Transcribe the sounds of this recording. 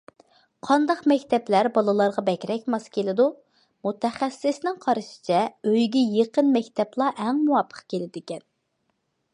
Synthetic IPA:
qʰɑnd̪ɑqmɛkʲt̪ʰɛplæɾbɑlˠɨlˠɑɾʁɑbɛkʲɾɛkʲmɑskʲʰelɪd̪u | mut̪ʰɛχæsːɪsnɪŋqʰɑɾʃɪ̥t͡ʃʰɛøjɡʲɛjeqənmɛkʲt̪ʰɛplˠɑʔɛŋmuwɑpʰːə̥χkʲelɪd̪ɪkʲɛn

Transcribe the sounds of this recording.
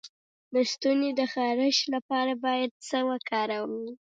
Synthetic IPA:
d̪əst̪uned̪əxɑɾɪʃlapɑɾabɑjad̪̚səwəkɑɾawwi

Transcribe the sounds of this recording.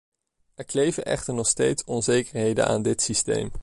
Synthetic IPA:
ɛɹklejvəʔɛ̰χtəɹnɔχstejtsɔnzejkəɹɦejdə̰na̰ːndɪtsistḛjm

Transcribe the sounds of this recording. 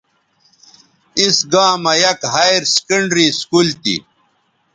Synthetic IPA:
isɡãːmɐjɐkhajɾskɐɳɖɾiskult̪ḭ

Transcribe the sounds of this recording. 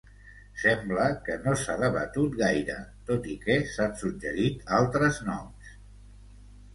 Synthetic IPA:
sɛmbləkənosaðəβə̰t̪ut̪ɣajɾə̰t̪ot̪ikɛsasuʒəɾit̪alˠt̪ɾəznɔms

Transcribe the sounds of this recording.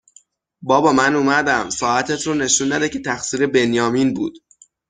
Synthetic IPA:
bɒːbɒːmænuːmæd̪æmsɒːæt̪ʰet̪ʰɾuːne̞ʃunːæd̪ecʰe̞t̪ʰæxsiːɾe̞be̞njɒːminbṵːd̪̥

